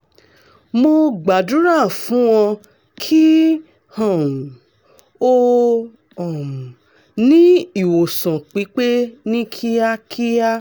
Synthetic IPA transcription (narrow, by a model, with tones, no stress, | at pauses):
mo˧ɡ͡ba˨dũ˨˦ɾa˦˨fũ˨˦w̃ɔ̃˧ | kʰi˦ | hɔ̃˨m˨ | o˦ | ɔ̃˨m˨ | nĩ˦i˨wo˨sɔ̃˨k͡pi˨˦k͡pe˦nĩ˦kʰi˦a˦kʰi˦a˦